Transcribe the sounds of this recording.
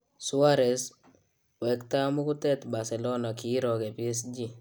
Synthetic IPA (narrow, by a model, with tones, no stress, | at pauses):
sʊ˦aɾɛ˨s | wɛ˨kta˦mʊ˦kʊ˦tɛt̪ba˨sɛ˨lɔna˨ki˦ɾɔkɛ˨pies̬d͡ʒi